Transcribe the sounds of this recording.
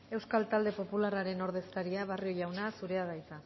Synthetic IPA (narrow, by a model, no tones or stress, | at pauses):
e̞wskalt̪ald̪e̞po̞pularaɾe̞no̞ɾð̞e̞skaɾiaβ̞ario̞ʝawnasuɾe̞aðaisa